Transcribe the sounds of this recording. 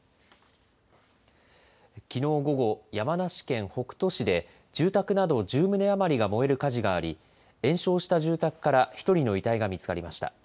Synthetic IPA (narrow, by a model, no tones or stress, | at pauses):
kʲino̞ːɡo̞ɡo̞jamanaɕi̥kẽ̞ɰ̃ho̞kɯ̟̥t̪o̞ɕid̪e̞ | d͡ʑɨːt̪akɯ̟nad̪o̞d͡ʑɨːmɯ̟ne̞amaɾʲiɡamo̞e̞ɾɯ̟kaʑiɡaːɾʲḭ | ẽ̞ɰ̃ɕo̞ːɕi̥t̪aʑɨːt̪akɯ̟̥kaɾaçi̥t̪o̞ɾʲino̞it̪aiɡamʲit͡sɨ̥kaɾʲimaɕi̥t̪a̰